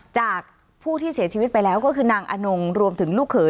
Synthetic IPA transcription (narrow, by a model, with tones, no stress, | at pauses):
t͡ɕaː˨˩k̚ | pʰuː˥˩t̪ʰiː˥˩si˩˦t͡ɕʰi˧wi˦˥t̪̚pa˧jlɛː˦˥wkɔː˥˩kʰɯː˧naː˧ŋʔa̰˧no˧ŋɾu˧əmt̪ʰɯ˩˦ŋluː˥˩kʰːɤː˨˦